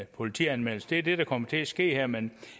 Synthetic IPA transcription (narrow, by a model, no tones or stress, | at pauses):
pʰo̝lit͡sʰḭænmel̰̩səd̥e̝æɐd̥e̝ɾ̥ɑ̈kʰɒ̽m̰ɐt͡sʰe̝æsɡ̥e̝̰ːheɐ̰men